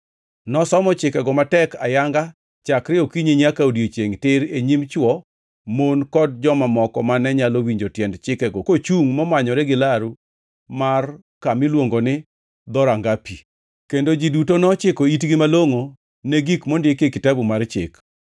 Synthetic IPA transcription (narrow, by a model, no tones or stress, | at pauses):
nɔsɔmɔt͡ʃɪkɛɡɔmatɛka̰jaŋɡa | t͡ʃakɾɪokiɲeɲakaodiet͡ʃeŋtɪɾeɲimt͡ʃwɔ | monkɔd̚d͡ʒɔmamɔkɔ̰manɛɲalowiɲd͡ʒotjɛndt͡ʃɪkɛɡokot͡ʃuŋmɔmaɲɔɾɛɡɪlaɾu | mar | kamɪlwoŋɡonɪ | d̪ɔɾaŋɡapi | kendod͡ʒidutonɔt͡ʃɪkoitɡɪmaloŋo | neɡikmondekekɪtabumart͡ʃɪ̰k